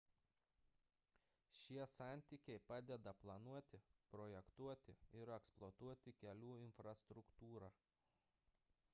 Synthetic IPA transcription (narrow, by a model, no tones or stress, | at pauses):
ʃʲiɛsɑˑnʲt̪ʲiːkʲɛɪpɑːd̪ʲɛd̪ɐplˠɐnuɔt̪ʲɪpɾɔjɛkt̪uɔt̪ʲɪ̰ɪɾɛksplˠot̪uɔt̪ʲɪkʲɛlʲuːɪnfɾɐst̪ɾʊkt̪uːɾɑː